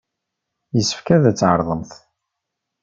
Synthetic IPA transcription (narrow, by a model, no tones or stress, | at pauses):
jəsːə̥fkæðæt͡sːʕə̰ɾˤðˤəmθ